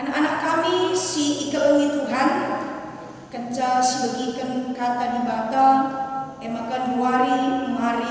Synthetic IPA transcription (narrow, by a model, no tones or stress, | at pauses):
ʔanakanaʔkamisiːkəʔəŋit̪uɦan | kəɲt͡ʃalsəbəɡikənkat̪adibat̪a | ɛmakanduwaɾimaɾi